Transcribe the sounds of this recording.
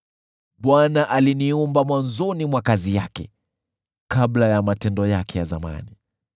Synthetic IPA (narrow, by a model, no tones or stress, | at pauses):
ɓwanaʔaliniɔmbamwanzɔnimwakazijakɛ̰ | kablajamatɛndɔjakɛjaza̰ma̰ni